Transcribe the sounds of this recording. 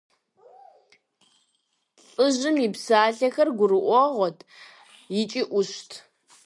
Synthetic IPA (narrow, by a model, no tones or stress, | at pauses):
t͡sʼɨʑɪmipsaːɬɐxɐrɡʷʊɾɨʔʷɔʁʷɔtʰ | jɪt͡ʃʼiʔʷʊʃtʰ